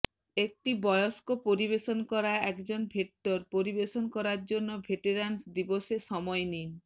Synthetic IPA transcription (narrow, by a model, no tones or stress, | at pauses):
ek̚ʈibɔjoskopoɾiβeʃonkɔɾaɛkd͡ʑonbʱek̚ʈoɾpoɾibeʃonkɔɾaɾd͡ʑonːobʱeʈeɾansd̪iboʃeʃɔmɔenin